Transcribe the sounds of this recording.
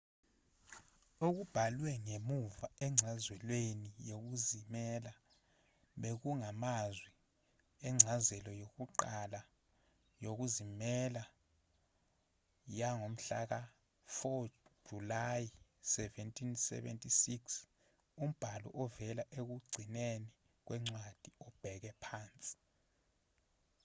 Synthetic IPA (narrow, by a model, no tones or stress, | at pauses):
oɣub̥ʱalwɛŋemuvaɛŋ͡ǀʱazwɛlwenijoɣ̬uzimɛla | ɓeɣuŋamazwi | ɛŋ͡ǀʱazɛlɔjoɣuǃala | joɣuzimɛla | jaŋom̩ɬa̰k̬a | fɔ̥ʒ̥ulajisɛvɛntʰʼinsɛ̰ɓḛntʼisiks | um̩b̥ʱalɔ̰ʔɔvɛlaʔek̬uɡ͡ǀʱineni | k̬wʔɛŋ͡ǀwad̥ʱiɔb̥ʱɛɣɛpʰaːnt͡sʼi̥